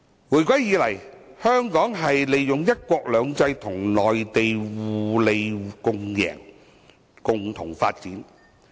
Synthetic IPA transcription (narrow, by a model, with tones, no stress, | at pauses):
wuː˨˩jkʷɐ˦˥jjiː˨˧˥lɐ˨˩jhœː˥ŋkɔː˨˥ŋɦɐ˨jle˨jːʊ˨ŋjɐ˥t̚kʷɔː˧k̚lœː˨˧ŋt͡sɐ˧jt̪ʰʊ˨˩ŋlɔː˨jt̪e˨jwuː˨le˨jkʊ˨˧ŋjɛ̰ː˨˩ŋ | kʊ˨ŋt̪ʰʊ˨˩ŋfaː˧t̚t͡siː˨˥n